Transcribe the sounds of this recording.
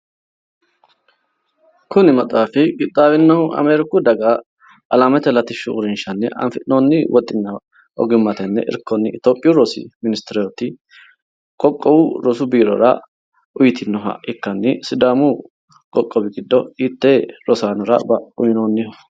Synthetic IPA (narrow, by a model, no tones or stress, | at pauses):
kʊnɪmɐt̪ʼaːfɪɡʼɪt̪ʼːaːwɪnːɐʊɐ̰meːɾɪkʊd̪ɐɡɐ | ʔɐlamɛt̪ɛlɐt̪ɪʃʊʊɾɪnʃɐnːɛ̰ʔɐ̰nfɪt̪nonːɪwɔt̪ʼːɪnːɐ | ʔɔ̰ɡɪmːɐt̪ɛnːɛ̰ʔɪ̰ɾkːɔnːɪɪt̪oːpʼːɪjʊɾɔsɪ̰mɪnɪst̪ɛɾɛjɔt̪ːɪ | kʼɔkʼːɔwʊɾɔsʊbiːɾɔ̰ɾɐ̰ | ʔʊjɪt̪ʰɪnːɔɦɐ̰ɪkːɐnːɪsɪd̪aːmʊ | kʼɔkʼːɔbɪɡɪd̪ːɔit̪ːeːɾɔsaːnɔɾɐ̰bɐʊjɪnoːnːɪhɔ